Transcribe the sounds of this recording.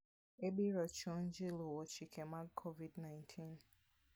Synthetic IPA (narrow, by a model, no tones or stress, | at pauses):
ebiɾɔt͡ʃɔ̃n̩d͡ʒilowɔt͡ʃikʰɛmakʰovidnãɪ̃ntʰĩn